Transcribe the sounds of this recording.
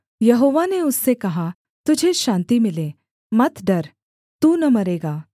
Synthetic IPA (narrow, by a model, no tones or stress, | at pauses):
jɐɦoːʋaneʊsːekɐɦa | t̪ʊd͡ʒʱeʃãːnt̪imɪle | mɐt̪ɖɐɾ | t̪uːnɐmɐɾeːɡaː